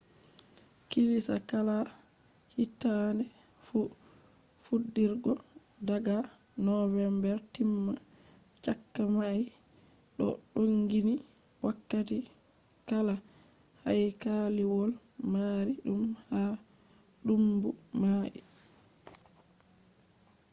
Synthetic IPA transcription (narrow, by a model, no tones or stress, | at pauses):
kilisa̰kala | hitːanɛ | fu | fudːiɾɡɔ | daɡanɔvɛmbɛɾtimːa | t͡ʃakːamaj | ɗɔ̰ɗoŋɡini | wʔakːati | kala | hajkaliwɔl | maɾiɗumha | ɗumbumaːʔḭ